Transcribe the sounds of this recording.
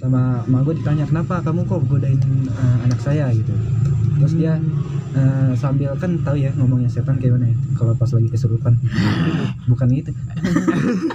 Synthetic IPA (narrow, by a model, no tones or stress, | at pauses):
samamaɡuadit̪aɲakənapakamukoɡodaɪnəanaksajaɡit̪ut̪ɾʊsdiaəsambɪlkant̪aujaŋomɔŋjaset̪ankaimanajakalapaslaɡikəsəɾup̪an | bukanɡit̪ua